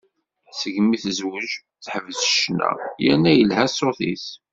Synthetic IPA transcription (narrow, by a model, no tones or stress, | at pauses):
səʝmiθzwəʒ | θħəvəzʃnæ̰jæ̰nːæjəlɦæsoθiθ